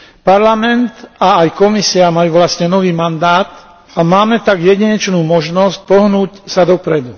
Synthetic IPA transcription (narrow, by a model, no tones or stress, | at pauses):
paɾlamɛnt̪aːjkɔmisiamajuːʋlastɲɛnɔʋiːmand̪aːt̪ | amaːmɛt̪aɡjɛɟiɲɛt͡ʃnuːmɔʒnɔsc̚pɔɦnuːcsad̪ɔpɾɛd̪u